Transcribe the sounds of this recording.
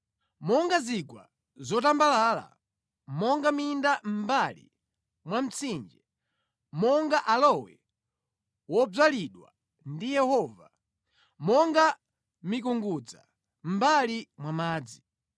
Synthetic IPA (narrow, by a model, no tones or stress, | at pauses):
mɔŋɡaziɡwa | zɔtambalaːla̰ | mɔŋɡamindam̩balḭ | mwam̩t͡sʰind͡ʒɛ | mɔŋɡaʔalɔwɛ̰ | wɔb͡ʐaliɗwa̰ | ndijɛhɔva | mɔŋɡa | mik̬uŋɡud͡za̰ | m̩balimwamaːd͡zi